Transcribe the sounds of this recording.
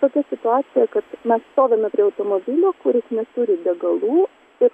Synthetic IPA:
t̪oːkʲɛsʲɪt̪ʊɑːsʲɪjɛkɐt̪mʲɛsst̪oːʋʲeːmʲɛpʲɾʲiːɐʊt̪oːmoːbʲɪlʲoːkʊɾʲɪsnʲɛt̪uːɾʲɪd̪ʲɛɡɐlˠuː | ɪɾ

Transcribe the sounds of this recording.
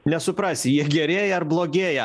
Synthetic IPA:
nʲɛsʊpɾɑːsʲɪjiɛɡʲɛɾʲeːjɛɐɾblˠoːɡʲeːjɛ

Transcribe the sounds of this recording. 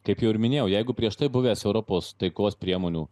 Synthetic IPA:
kɐɪpjɛʊɪɾmʲɪnʲeːjɛʊjɛɪɡʊpʲɾʲiɛʃt̪ɐɪbʊʋʲeːsɛʊɾɔpoːst̪ɐɪkoːspʲɾʲiɛmoːnʲuː

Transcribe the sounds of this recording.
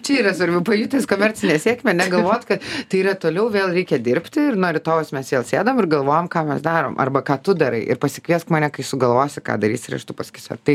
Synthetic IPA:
t͡ʃʲɛiːɾɐsʋɐɾʲbʲɛʊpɐjut̪ʲeːskoːmʲɛrʲt͡sʲɪnʲeːsʲiɛkʲmʲɛnʲɛɡɐlˠʋoːt̪ʲkɐt̪t̪ɐɪiːɾɐt̪oːlʲɛʊʋʲeːlˠɾʲɛɪkʲɛd̪ʲɪɾʲpʲt̪ʲɪɪrnoɾʲɪt̪oːʋosmʲɛsʋʲeːlˠsʲeːd̪oɔmɪrɡɐlˠʋoːjoːmkɑːmʲɛsd̪ɑːɾo̰ːmʔɐ̰rbɐkɑːt̪ʊd̪ɐɾɐɪʔɪ̰rpɐsʲɪkʋʲiɛskmɐːnʲɛkɐɪsʊɡɐlˠʋoːsʲɪkɑ̰ːd̪ɐɾʲiːsʲɪɾʲɐ̰ʃt̪upɐsʲkʲɪsʲɛ̰rt̪ɐɪ

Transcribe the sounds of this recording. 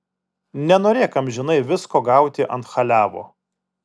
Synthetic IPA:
nʲɛnoːɾʲeːkɐmʲʒʲɪnɐɪʋʲɪskoːɡɐˑʊt̪ʲɪʔɐ̰nt̪xɐlʲæːʋo̰ː

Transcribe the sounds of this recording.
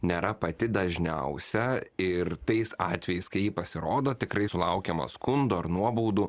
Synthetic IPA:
nʲeːɾɐpɐt̪ʲɪd̪ɐʒʲnʲɛʊsʲɛɪrt̪ɐɪsɑːt̪ʲʋʲɛjɛɪskɐɪjiːpɐsʲɪɾoːd̪ot̪ʲɪkɾɐɪsʊlˠɐʊkʲɛmɐ̰skʊnd̪ʊɐɾnuɔbuːd̪ʊ

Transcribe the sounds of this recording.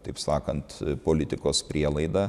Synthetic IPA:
t̪ɐɪpsɑːkɐnt̪poːlʲɪt̪ʲɪkoːspʲɾʲiɛlˠɐɪd̪ɑː

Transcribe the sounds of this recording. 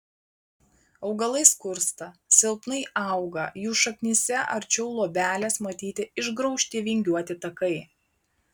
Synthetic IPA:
ɒʊɡɐlˠɐɪskʊɾst̪ɐsʲɪlˠpnɐɪʔɑˑʊɡɐjuːʃɐknʲisʲɛʔɐɾt͡ʃʲɛʊlˠuɔbʲæːlʲɛsmɐt̪ʲiːt̪ʲɪɪʒɡɾɒʊʃʲt̪ʲiːʋʲɪŋʲɡʲuɔt̪ʲɪt̪ɐkɐɪ

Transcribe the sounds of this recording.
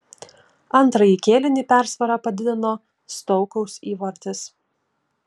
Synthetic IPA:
ɐnt̪ɾɐjiːkʲeːlʲɪnʲiːpʲæˑɾsʋɐɾɑpɐd̪ʲɪd̪ʲɪnoː | st̪ɔʊkɔʊsiːʋɐɾʲt̪ʲɪs

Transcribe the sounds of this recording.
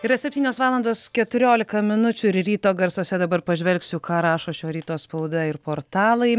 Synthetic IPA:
ɪɾɐsʲɛpʲt̪ʲiːnʲoːsʋɑːlˠɐnd̪oːskʲɛt̪ʊɾʲoːlʲɪkɐmʲɪnʊt͡ʃʲʊɪɾɾʲiːt̪oːɡɐɾsoːsʲɛd̪ɐbɐɾpɐʒʲʋʲɛlʲksʲʊkɑːɾɑːʃoːʃʲoːɾʲiːt̪oːspɐʊd̪ɐɪɾpoːɾt̪ɑːlˠɐɪ

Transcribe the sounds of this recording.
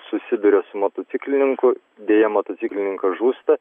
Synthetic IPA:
sʊsʲɪd̪ʊɾʲɛsʊmot̪oːt̪sʲɪklʲɪnʲɪŋkʊ | d̪ʲeːjɛmot̪osʲɪklʲɪnʲɪŋkɐʒuːst̪ɐ

